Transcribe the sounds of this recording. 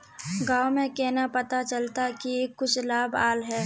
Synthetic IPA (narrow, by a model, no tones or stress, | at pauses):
ɡaːwmẽkɛːnapɐt̪at͡ʃɐlt̪akieːkːʊt͡ʃʰlaːbaːlɦɛː